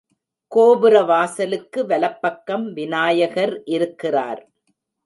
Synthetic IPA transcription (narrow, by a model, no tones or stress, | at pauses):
koːbɯɾɐʋaːsɐlɯkːɯʋɐlɐpːɐkːɐmʋɪnaːjɐɣɐɾʔɪɾɯkːɪra̰ːɾ